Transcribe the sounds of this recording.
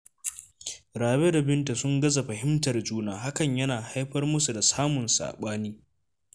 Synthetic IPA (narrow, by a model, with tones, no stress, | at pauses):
ɾaː˨be˦da˨bɪ˦nta˨sʊ˦ŋɡɐ˦za˨ɸɐ˨ɦɪ˦mtɐ˨rd͡ʒuː˦naː˦ɦa˦kɐ˨ɲjɐ˦naː˨ha˦jɸɐ˦rmʊ˦su˨da˨saː˦mʊ˨nsa̰ː˨ɓaː˦niː˦